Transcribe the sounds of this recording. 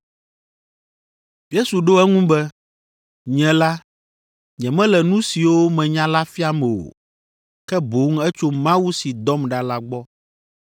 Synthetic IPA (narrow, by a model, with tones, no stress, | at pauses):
je˦su˨ɖo˦ɛ˦ŋũ˦bɛ˦ | ɲɛ̃˨la˦ | ɲɛ̃˨mɛ̃˦lɛ˨nũ˦si˨wo˦mɛ̃˨ɲã˦la˦fi˦a˦mɛ̃˨o̰˨ | kɛ˦bo˨˦ŋ̩˦ɛ˦t͡ʃo˦mã˦wu˦si˨d̪ɔ˦mɖa˦la˦ɡ͡bɔ˦